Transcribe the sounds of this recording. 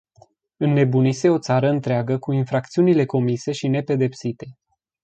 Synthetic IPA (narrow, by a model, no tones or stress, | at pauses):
ɨnːe̞bunise̞o̞t̪saɾəɨnt̪ɾeaɡəkuinfɾakt̪siunile̞ko̞mise̞ʃine̞pe̞d̪e̞psit̪e̞